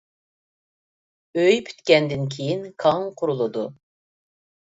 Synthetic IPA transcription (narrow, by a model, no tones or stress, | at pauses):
øjpʰy̥t̪kʲɛnd̪ɪnkʲʰejinkʰɑŋqʰʊɾulˠɨd̪u